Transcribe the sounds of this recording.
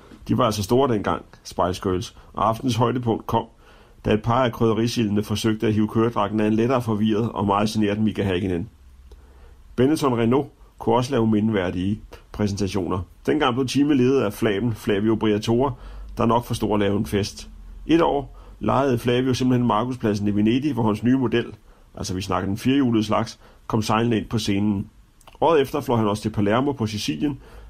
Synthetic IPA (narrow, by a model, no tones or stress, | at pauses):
d̥iʋɑ̈ælsɒ̽sd̥o̝ːɐd̥en̰ɡ̥ɑ̈ŋ̰ | sb̥ɑ̈ɪ̰̥sɡ̥øːlsʔɒ̽ɑ̈fd̥n̩sɦɒ̽ɪd̥əpʰɔ̽ŋ̰d̥̚kʰɒ̽m̰ | d̥æe̝d̥̚pʰɑ̈ːækʰʁœðɐʁisilnəfɒ̽søɡ̥̚d̥əæɦiːʊkʰøːɐd̥ʁɑ̈ɡ̥n̩æɐenleɾɐːfɒ̽ʋiɐð̞ˠɒ̽mɑ̈ːð̩ˠsine̝ɐd̥mikʰæɦæɡ̥inen | b̥enət͡sʰɒ̽nʁeno̝kʰuɒ̽s̬əlɛːʊme̝nʋæɐd̥iəpʰʁɛs̬n̩t͡sʰæɕo̝̰ːnɐd̥enɡ̥ɑ̈ŋ̰b̥le̝t͡sʰiːməle̝ːð̩ˠæflɛ̰ːb̥n̩flɛːʋiob̥ʁiæt͡sʰo̝̰ːɐd̥ɑ̈nɒ̽ɡ̥fɒ̽sd̥o̝̰ɐ̰ɐlɛːʊenfesd̥ʔe̝d̥ɒ̰ː | lɑ̈ɪð̩ˠflɛ̰ːʋio̝semb̥l̩henmɑ̈ːkuspʰlæs̬n̩iʋe̝ne̝d̥iʋɒhænsnyːmo̝d̥el̰ | ʔæl̰sɒʋisnɑ̈ɡ̥əd̥enfiːɐjuːləð̩ˠslɑ̈ɡ̥s | kʰɒ̽msɑ̈ɪln̩e̝n̰pʰɒ̽se̝ːnn̩ | ʔɒ̰ːðˠefd̥ɐflɒ̰ːhænɒ̽sə̥t͡sʰe̝lpʰælæɐmo̝pʰɒ̽sisḭljən